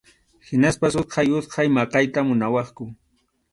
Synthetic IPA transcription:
hɪnaspasʊt̪qɑjʊt̪qɑjmɑqɑjt̪amʊnawɑχkʊ

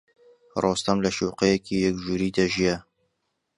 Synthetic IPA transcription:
rost̪ɐmlɐʃuqejɛkʰiːjɛkʒuːɾiːd̪ɐʒijɛ

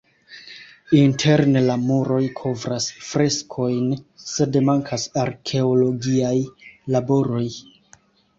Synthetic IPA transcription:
intʰe̞ɾne̞lamuɾo̞jkʰo̞vɾasfɾe̞skʰo̞jnse̞demaŋkʰasaɾkʰe̞olo̞ɡiajlabo̞ɾo̞j

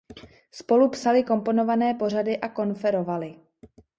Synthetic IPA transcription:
spo̞lupsalɪko̞mpo̞no̞vanɛːpo̞r̝adɪʔako̞nfɛɾo̞valɪ

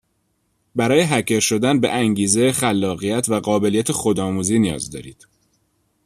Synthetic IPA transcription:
bæɾɒːjeɦæcʰeɾʃo̞d̪ænbeʔæŋɟiːzexælːɒːɣijæt̪ʰvæɢɒːbe̞lijæt̪ʰexo̞d̪ɒːmuːziːnijɒ̰ːzd̪ɒ̰ːɾḭːd̪̥

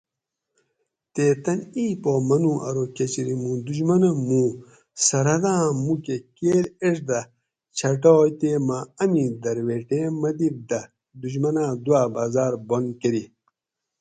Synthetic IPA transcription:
t̪eːt̪ɐniːpoːmɐnũʔɐ̰ɾoket͡ɕiɾimũːd̪uʑmɐnɐmũː | sɐɾɐd̪ãːmukekeːleʂd̪ɐ | t͡ɕʰɐʈoːjt̪eːmaɐmid̪ɐɾweːʈemɐd̪ibd̪ɐ | d̪uʑmɐnãːd̪uaːbaːzaːɾbonkeɾi

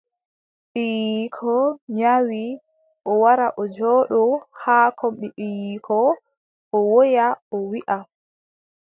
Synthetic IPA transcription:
ɓijikʰɔɲawi | ʔɔwaɾaʔɔd͡ʒɔɗɔhaːkʰɔmɓiɗijikʰɔ | ʔɔwojaɔwiʔa

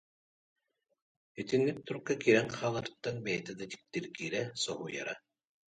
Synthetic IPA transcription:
it̪inːik̚t̪uɾkːakiɾɛŋχaːlˠaɾt̪ːanbɛjɛt̪ɛd̪at̪i̥k̚t̪iɾɡiːɾɛsɔɦuːja̰ɾa

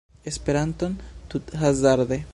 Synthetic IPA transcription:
espeɾant̪ont̪ut̪hazaɾðe

